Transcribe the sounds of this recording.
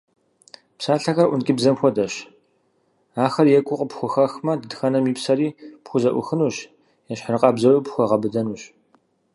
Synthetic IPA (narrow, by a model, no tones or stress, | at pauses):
psaːɬɐxɐrʔʷʊnkʲʼɪbzɐmxʷɔdɐɕ | aːxɐrjɛkʷʼʊqʼəpxʷʊxɐxmɐdɨdxɐnɐmiːpsɐɾiːpxʷʊzɐʔʷʊ̰xɨnuːɕ | jɛɕħərɨqʼɑbzɐwipxʷɔʁɐbɨdɐnuːɕ